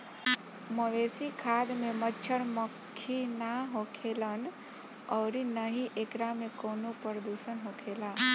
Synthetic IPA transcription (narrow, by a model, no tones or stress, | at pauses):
məʋesikʰad̪memətːt͡ʃʰəɽməkʰːinaɦokʰelən | ɔːɾinəɦiʔekɾamekoːnopəɾəd̪usənɦokʰela